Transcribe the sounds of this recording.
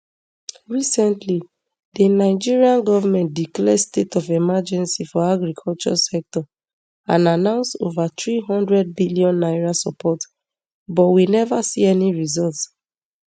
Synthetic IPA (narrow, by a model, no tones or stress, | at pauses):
ɹisɛ̃ntli | dinaɪd͡ʒiɹiãnɡɔvamɛ̃nt̚diklɛdstetɔfɛmad͡ʒɛ̃nsifɔaɡɹikʰɔlt͡ʃɔsɛk̚tɔ | ã̰nanãʊ̃nsto̰vat̪ɹiɦɔ̃ndɹɛd̚biliɔ̃nːaɪɹasɔ̰pʰɔt | bɔtwinɛvasiɛniɹizɔlts